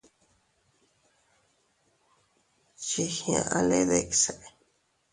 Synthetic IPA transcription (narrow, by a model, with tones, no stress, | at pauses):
t͡ʃi˧hj̃ã̰˧˨ʔã˦˧le˦ðe˦˧ki̥˨se˨ʔ